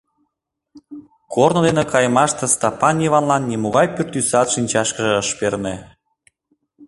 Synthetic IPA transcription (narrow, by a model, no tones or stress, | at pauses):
kornŏd̪enekɑjmɑʃt̪ĕst̪ɑpɑnʲiβɑnlɑnːʲimoɣɑjpyrt̪ːysɑt̪ʃinʲt͡ɕɑʃkə̆ʒeəʃperne